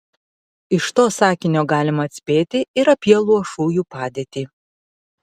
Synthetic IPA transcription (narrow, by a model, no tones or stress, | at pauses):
ɪʃt̪oːsɑːkʲɪnʲoːɡɑːlʲɪmɐːt̪ʲsʲpʲeːt̪ʲɪɪɾɐpʲiɛlˠuɔʃuːjuːpɑːd̪ʲeːt̪ʲiː